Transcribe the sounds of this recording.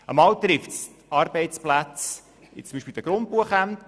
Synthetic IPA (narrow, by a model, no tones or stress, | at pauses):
əmɑːwt̪ɾɪftstɑːɾbɛɪtt͡splæt͡s | ɪt͡sʊmbiʃpild̪əɡ̥ɾʊnt̚buəχæmt